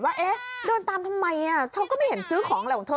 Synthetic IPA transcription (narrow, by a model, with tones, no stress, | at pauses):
waː˥˩ʔeː˦˥doː˧nt̪aː˧mt̪ʰa˧mːa˧ji˧˩t̪ʰa˧wkɔː˥˩ma˥˩jhe˩˦nsɯː˦˥kʰɔː˩˦ŋlɔ˨˦t̪ʰo˧